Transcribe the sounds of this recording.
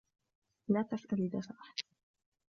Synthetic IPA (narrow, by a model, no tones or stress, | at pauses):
laːt̪asʔalɪd̪asaʔaħḁd̪